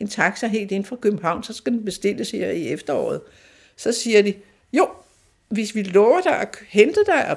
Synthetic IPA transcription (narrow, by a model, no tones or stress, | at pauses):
e̝nt͡sʰɑ̈ɡ̥sɑɦe̝̰ːld̥e̝n̩fʁɑ̈kʰøb̥m̩ɦɑ̈ʊ̰nsɒ̽sɡ̥æd̥enb̥e̝sd̥e̝ləshe̝ɐ̰iefd̥ɐɒ̰ːð̩ˠ | sɒ̽siːɐdi | jo̝ | ʋe̝sʋilɔːʊɐd̥æɒhend̥əd̥æɪʔɒ